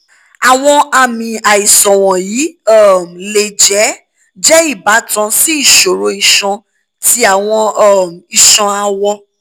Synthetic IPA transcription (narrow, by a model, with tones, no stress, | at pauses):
a˨w̃ɔ̃˧a˧mĩ˨a˨i˨sɔ̃˨w̃ɔ̃˨jiː˨˦ɔ˦˨m˨le˨d͡ʒɛ˨˦ | d͡ʒɛ˦i˦˨ba˨˦tã˧si˦i˦˨ʃo˨ɾo˨˦i˧ʃɔ̃˧ | tʰi˦a˨w̃ɔ̃˧ɔ˦m˨i˨ʃɔ̃˧a˧wɔ˧